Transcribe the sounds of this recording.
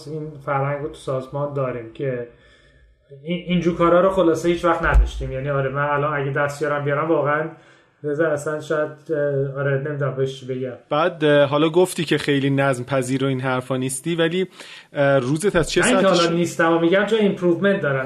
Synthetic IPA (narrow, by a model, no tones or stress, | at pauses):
infæɾhæŋɡɾot̪ʰu̥sɒːzmɒːnd̪ɒːɾiːmcʰe | iind͡ʒuːɾkʰɒːɾɒːɾoxolɒːsehiːt͡ʃvæxt̪næd̪ɒʃt̪iːmjæːniɒːɾemænælɒnæɟed̪æst̪bijɒɾæmbijɒɾæmvɒːɣeæn | bezææsænʃɒːjæd̪̚eɒːɾene̞mid̪unæmbeheʃt͡ʃʰibe̞ɡæmb̥æːd̪ɦɒːlɒːɡoft̪iːcʰe̞xe̞jliːnæzmpʰæziːɾoiːnɦæɾfɒːnist̪iːvæliː | ruːzet̪ʰæz̥t͡ʃʰeiæɒlniːst̪æmamiɟæmt͡ʃʰoempʰɾuːvme̞nt̪̚d̪ɒːɾæn